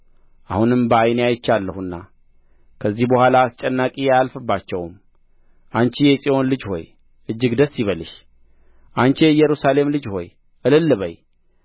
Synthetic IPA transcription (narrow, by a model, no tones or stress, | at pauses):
ʔahunɨmbəajneajɪt͡ʃːalːəhuɨnːa | kʰəzːihbəhʷalaːst͡ʃʼɛnːakʼijajalfɨbːat͡ʃːɛwm | ʔant͡ʃijɛsʼio̞nlɨd͡ʒho̞̰j | ʔɨd͡ʒːɪɡd̪əsːiβəlɨʃ | ʔant͡ʃijɛjɛɾusale̞mlɨd͡ʒho̞̰j | ʔɨlɨlːɨβəj